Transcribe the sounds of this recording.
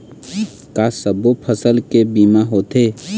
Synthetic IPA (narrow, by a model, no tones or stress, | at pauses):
kaːsəbopʰəsəlkebiːmaɦoːt̪eː